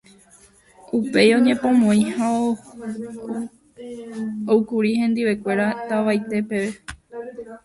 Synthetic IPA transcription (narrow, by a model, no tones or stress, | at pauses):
upe̞jõ̞ɲẽ̞põ̞mõĩhao | okuɾihẽ̞nd̪iʋe̞kʷe̞ɾat̪aʋajt̪e̞pe̞ʋe